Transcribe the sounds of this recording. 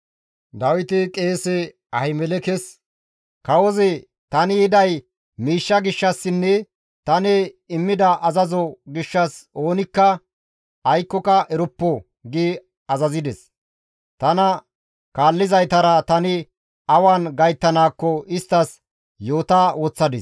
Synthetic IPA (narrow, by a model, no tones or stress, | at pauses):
d̪ɐwɪt̪ɪkʼeːsɛ | ɐhɪmɛlɛkɛs | kɐwɔzɛ | t̪ɐnɪɪd̪ɐj | miːʃːɐɡɪʃːɐsːɪnːɛ | t̪ɐnɛɪmːɪd̪ɐʔɐzɐzɔɡɪʃːɐso̞ːnɪkːɐ | ɐjkːɔkɐʔɛɾʊpːɔ | ɡɪ | ɐzɐzɪd̪ɛs | t̪ɐnɐ | kaːlːɪzɐjt̪ɐɾɐt̪ɐnɪ | ɐwaːnɡɐjt̪ːɐnaːkːɔɪst̪ːɐs | jo̞ːt̪awɔt͡sːɐd̪ɪs